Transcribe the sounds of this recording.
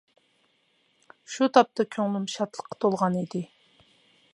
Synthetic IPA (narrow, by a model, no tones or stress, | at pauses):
ʃut̪ʰɑp̚t̪ʰɑkʲʰøŋlymʃɑt̪lˠə̥qʰːɑ̥t̪ʰolˠʁɑnid̪ɪ